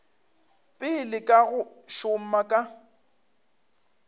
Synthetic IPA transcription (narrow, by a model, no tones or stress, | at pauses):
pʼɪlɪkʼaɣʊʃʊm̩makʼa